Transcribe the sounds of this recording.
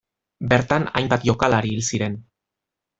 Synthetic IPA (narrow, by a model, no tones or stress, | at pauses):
beɾt̪ana̰jmbat̪ʝo̞kalaɾiːlsiɾe̞n